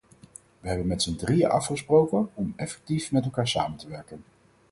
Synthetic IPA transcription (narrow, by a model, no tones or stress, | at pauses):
ʋəɦɛbənmɛtsəndrija̰ʔɑ̰fχəsprowkənɔmɛfɛ̥k̚tifmɛtɛlˠkaːɹsaːməntəʋɛɹkən